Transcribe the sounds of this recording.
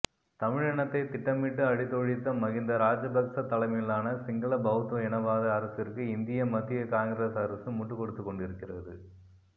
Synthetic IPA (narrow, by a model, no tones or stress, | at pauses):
t̪ɐmɪɻɐɳɐt̪ːɐɪt̪ɪʈːɐmɪʈːɯɐɽɪt̪ːoːɻɪt̪ːɐmɐɣɪnd̪ɐɾaːd͡ʒɐbɐksɐt̪ːɐlɐmɪlːaːnɐsɪŋɡɐɭɐbɐɣɯt̪ːʋɐɛɳɐʋaːðɐɐɾɐsɪrkɯɪnd̪ɪjɐmɐt̪ːɪjɐkaːŋɡɾesɐɾɐsɯmʊʈːɯkːɔɽɯt̪ːɯkːɔɳɖɪɾɯkːɪrɐðɯ